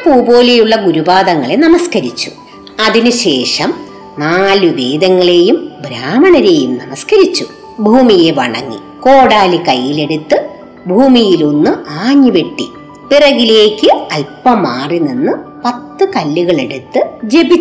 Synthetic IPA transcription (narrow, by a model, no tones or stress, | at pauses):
puːbo̞ːlejuɭːɐɡuɾubaːðɐŋːɐɭe̞nɐmɐskɐɾit͡ɕːu̥ | ɐðinɨɕe̞ːʂɐm | naːluʋeːd̪ɐŋːɐɭe̞ːjumbʱɾaːmɐɳɐɾe̞ːjumnɐmɐskɐɾit͡ɕːu | bʱuːmije̞ʋɐ̰ɳɐ̰ŋːḭ | ko̞ːɽaːlikɐjːile̞ɽut̪ːɨ | bʱuːmijilo̞nːɨʔaːɲːiʋe̞ʈːḭ | pirɐɣile̞ːkʲːɨɐlpːɐmaːrininːɨpɐt̪ːɨkɐlːuɣɐɭe̞ɽut̪ːɨd͡ʑe̞bit͡ɕː